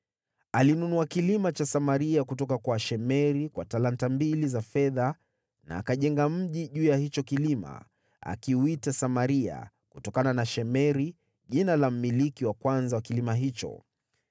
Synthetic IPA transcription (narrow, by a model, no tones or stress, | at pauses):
alinunuakilimat͡ʃasamaɾiakutɔkakwaʃɛmɛɾikwa̰talantambilizafɛða | na̰ːkaʄɛŋɡam̩ʄiʄuːjahit͡ʃɔkilima̰ | a̰kiuitasamaɾia̰ | kutɔkananaʃɛmɛɾi | ʄinalam̩milikiwakwanzawakilimaɦit͡ʃɔ̰